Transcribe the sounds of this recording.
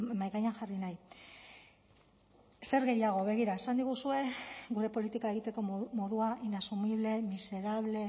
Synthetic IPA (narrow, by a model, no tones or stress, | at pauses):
majɣajaŋxarinaj | se̞ɾɣe̞jaɣ̞o̞βe̞ɣ̞iɾae̞sand̪iɣ̞usue̞ɡuɾe̞po̞lit̪ikaeɣit̪e̞ko̞mo̞ðuaʔinasumiβle̞mise̞ɾaβle̞